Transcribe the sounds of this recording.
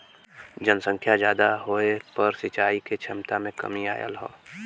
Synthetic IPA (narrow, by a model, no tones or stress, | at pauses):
d͡ʒənsə̃ŋkʰjad͡ʒjaːd̪aɦoːepɐɾsɪt͡ʃaːiket͡ʃʰɪmt̪amẽkɐ̰mia̰ːjə̰lɦo̰ː